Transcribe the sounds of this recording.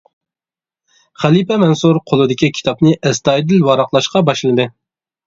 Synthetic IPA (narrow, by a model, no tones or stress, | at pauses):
χælˠipɛmɛnsuɾqʰolˠɨd̪ɪkʲikʲʰi̥t̪ʰɑpnɨʔɛst̪ɑjd̪ɪlwɑɾɑqlˠɑʃqɑbɑʃlˠɨd̪ɨ